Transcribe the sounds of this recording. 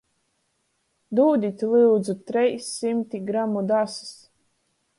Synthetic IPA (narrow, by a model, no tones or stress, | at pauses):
d̪uːd̪ʲit̪ʲlˠɨwd̪zut̪ɾɛjsʲːimt̪ʲiɡɾamːud̪asɨ̥s